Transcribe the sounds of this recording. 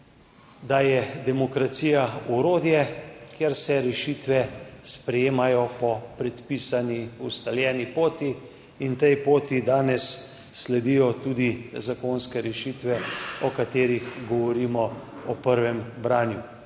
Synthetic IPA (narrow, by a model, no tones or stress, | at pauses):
d̪ajɛd̪ɛmɔkɾat̪siːjauɾoːd̪jɛkjeɾsɛɾɛʃit̪ʋɛspɾɛjeːmajɔpɔpɾɛt̪piːsaniust̪aljɛːnipoːt̪iː | nt̪ɛjpoːt̪id̪aːnɛsː | lɛd̪ijɔt̪uːd̪izakonskɛɾɛʃit̪ʋɛɔkat̪eːɾixɡɔʋɔɾiːmɔ | ɔpəɾʋɛmbɾaːnju